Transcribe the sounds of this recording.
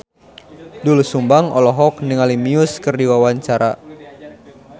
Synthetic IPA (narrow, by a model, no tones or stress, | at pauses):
dulusumbaŋɔlɔɦɔknɨŋalimiuskɨrdiwawaɲt͡ʃaɾa